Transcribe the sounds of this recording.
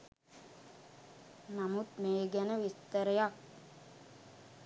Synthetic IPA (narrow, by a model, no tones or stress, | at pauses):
namut̪meːɡɛnəʋist̪əɾəjak̚